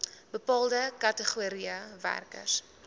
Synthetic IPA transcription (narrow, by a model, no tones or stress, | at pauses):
bəpɑːlˠdəkɐtəχuɾiəvæ̰rkə̰rs